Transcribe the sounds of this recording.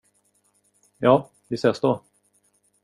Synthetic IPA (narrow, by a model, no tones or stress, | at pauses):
jɑː | vɪseːsd̪oː